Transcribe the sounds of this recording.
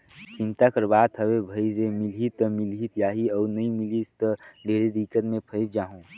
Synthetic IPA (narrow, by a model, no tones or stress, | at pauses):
t͡ʃɪ̃nt̪akəɾbaːd̪ɦəʋebʱəizemɪlɦit̪əmilɦit̪jaːɦiɔːɾnɐĩmilit̪əɖʱeːɾed̪ikət̪mẽpʰəɪp̚d͡ʒaːɦõː